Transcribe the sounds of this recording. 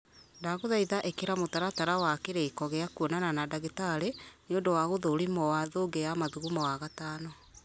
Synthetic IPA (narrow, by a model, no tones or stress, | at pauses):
ndaɣoðaiðaʔekeɾamotaɾataɾawakeɾeikɔɣeakuɔnananadaɣetaɾeneondowaɣoðoɾimɔwaðoːɡejamaðuɣumɔwaɣataːnɔ